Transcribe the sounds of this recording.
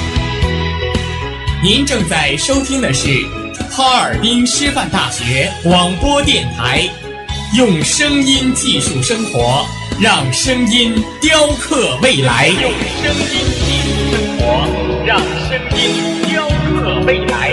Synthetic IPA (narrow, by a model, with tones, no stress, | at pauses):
ni˧˥nʈ͡ʂɤ˥˧ŋt͡sa˥˩ɪʂo˥ʊt̪ʰi˥ŋd̪ə˨ʂɻ̩˥˩ | tʰɑ˥ʊə˞˨˩pi˥ŋʂɻ̩˥fa˥˧nt̪a̰˥˩ɕɥɛ˧˥wɑ˨˩ŋpwɔ˥t̪jɛ˥˩nt̪ʰa˧˥ɪ | jʊ˥˧ŋʂɤ˥ŋi˥nt͡ɕi˥˧ʂu˥˩ʂɤ˥ŋxwɔ˧˥ | ɻɑ˥˩ŋʂɤ˥ŋi˥nt̪jɑ˥ʊkʰɤ˥˧we˥˩ɪla˧˥ɪjʊ˥˩ŋʂɤ˥ŋi˥nt͡ɕi˥˧ʂu˥˩ʂɤ˥ŋxwɔ˧˥ɻɑ˥˧ŋʂə˥ŋi˥nt̪jɑ˥ʊkʰɤ˥˧we˥˩ɪla˧˥ɪ